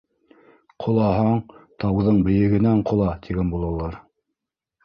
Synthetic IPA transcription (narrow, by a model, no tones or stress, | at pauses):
qʰŏlˠɑɦɑɴt̪ɑwðɤɴbɘ̆jɘ̆ɡɘ̆næɴqʰŏlˠɑt̪ʰiɡænbulˠɑ̆lˠːɑɾ